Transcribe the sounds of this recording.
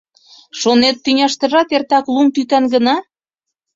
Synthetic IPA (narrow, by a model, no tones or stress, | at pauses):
ʃonet̪ːynʲɑʃt̪ə̆ʒɑt̪ert̪ɑklumt̪yt̪ɑnɡənɑ